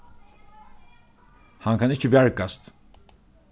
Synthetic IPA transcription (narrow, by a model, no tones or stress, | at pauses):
haŋkʰanit͡ʃʰibaɾkːast̪